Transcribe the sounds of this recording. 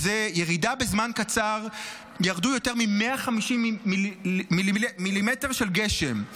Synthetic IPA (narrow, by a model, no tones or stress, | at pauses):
zejeʁidabe̞zmankat͡saʁ | jaʁd̪ujo̞te̞ʁmimeaχamiʃimːimilimilimete̞ʁʃe̞lɡe̞ʃe̞m